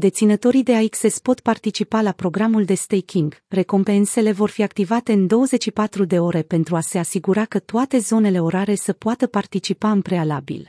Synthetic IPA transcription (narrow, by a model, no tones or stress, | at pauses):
d̪e̞t̪sinət̪o̞ɾijd̪e̞aikse̞spo̞t̪part̪it͡ʃipalapɾo̞ɡɾamuld̪e̞st̪ejkʰʲiŋɡre̞ko̞mpe̞nse̞le̞vo̞rfiakt̪ivat̪e̞ɨnd̪o̞wəze̞t͡ʃʃipat̪ɾud̪e̞o̞ɾe̞pe̞nt̪ɾuase̞asiɡuɾakət̪oat̪e̞zo̞ne̞le̞o̞ɾaɾe̞səpoat̪əpart̪it͡ʃipaɨmpɾe̞alabḭl